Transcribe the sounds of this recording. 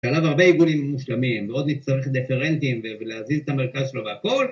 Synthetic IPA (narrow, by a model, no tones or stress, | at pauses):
ʃalavaʁbeiɡunimːuʃlamimveo̞d̪lit͡st̪aʁeχd̪ifeʁent̪imveveleazizet̪ameʁkazʃeloveako̞l